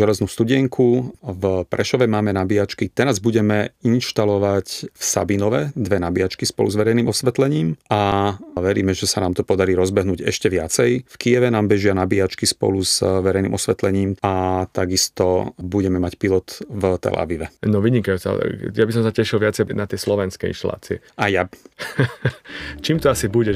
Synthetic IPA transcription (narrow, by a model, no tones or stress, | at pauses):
ʒɛlɛznuːst̪uɟɪɛŋkʰuvpɾʔɛʃɔʋɛmaːmɛnabiat͡ʃkit̪ɛɾazbuɟɛmɛinʃt̪alɔʋacfsa̰binɔʋɛd̪ʋɛnabiat͡ʃkispɔ̰lṵzʋɛɾɛjniːmɔsʋɛt̪lɛɲiːmaʋɛɾḭːmɛʒɛsanaːmt̪ɔpɔd̪aɾiːɾɔzbɛɦnuːɟɛ̰ʃcɛʋɪat͡sɛjfkijɛʋɛnaːmbɛʒɪanabiat͡ʃkispɔ̰luzʋɛɾɛjnḭmɔsʋɛt̪lɛɲiːmat̪aɡist̪ɔbuɟɛmɛmacpilɔt̪vt̪ɛ̰la̰ʋiʋɛnɔʋiɲikajut͡sa̰jabis̬ɔmsacɛʃilʋɪat͡sɛnat̪ɪɛslɔʋɛnskɛḭnʃt̪ala̰ːt͡siɛ̰ | aja | t͡ʃiːmt̪ɔasibuɟɛ